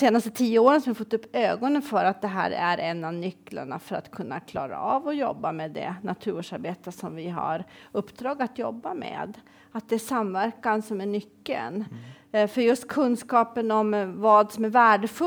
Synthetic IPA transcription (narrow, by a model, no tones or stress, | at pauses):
eːnast̪ət̪ʰiːəoːɾənsɔmɪafɔt̪ːɵpːøːɡɔnənfœɾat̪̚d̪ɛɦæ̰ːɾæ̰ɾɛnːavnʏkːla̰ɳa̰fœɾa̰t̪kʰɵnːakʰlɑ̰ːɾa̰ɑːvɔjɔ̰bːamed̪ɛ̰nat̪ʰʉ̟ːoʂaɾbeːt̪əsɔmvɪɦa̰ɾɵpːd̪ɾɑːɡat̪jɔ̰bːamḛːd̪ | at̪̚d̪ɛæʂamvæɾkansɔmæɳʏkːə̰n | fœɾjɵst̪̚kʰɵnːskɑːpənɔmvɑːd̪sɔmæɾvæːɖəfɵ